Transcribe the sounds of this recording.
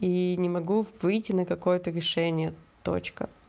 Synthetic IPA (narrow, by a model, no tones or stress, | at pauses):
inʲɪmɐɡuvɨjtʲːɪnəkɐko̞jət̪əɾʲɪʂɛnʲɪjət̪o̰t͡ɕkə̰